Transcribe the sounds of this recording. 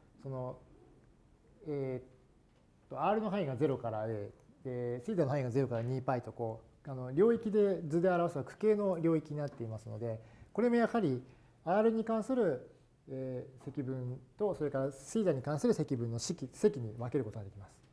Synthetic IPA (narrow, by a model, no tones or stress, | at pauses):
so̞no̞ | e | t̪ːo̞aːɾɯ̟no̞ɦaiɡaze̞ɾo̞kaɾaɯesiːzanoɦaiɡaze̞ɾo̞kaɾaɲ̟iːpait̪o̞ko̞ | ano̞ɾʲo̞ːikʲid̪e̞d͡zɨd̪e̞aɾaβaseβakɯ̟̥ke̞ːno̞ɾʲo̞ːikʲiɲ̟inat̪ːe̞imasɨno̞d̪e̞ko̞ɾe̞mo̞jahaɾʲi | aːɾɯ̟ɲ̟ikãɰ̃sɨɾɯ̟ː | se̞kʲibɯ̟̃nt̪o̞so̞ɾe̞kaɾasiːzaɲ̟ikãɰ̃sɨɾɯ̟se̞kʲibɯ̟̃nːo̞ɕikʲise̞kʲiɲ̟iβake̞ɾɯko̞t̪o̞ɡad̪e̞kʲimasɨ̥